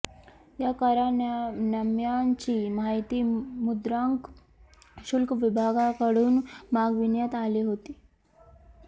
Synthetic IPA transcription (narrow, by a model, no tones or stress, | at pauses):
jakaɾanəmjaɲt͡ɕiːmɦajt̪iːmud̪ɾaŋk | ɕulkʋibʱaɡakəɽuːnmaɡʋinjət̪aliːɦot̪i